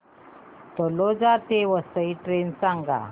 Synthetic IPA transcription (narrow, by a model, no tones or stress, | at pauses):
t̪ɔlɔd͡zat̪eʋəsəiʈɾensaŋɡa̰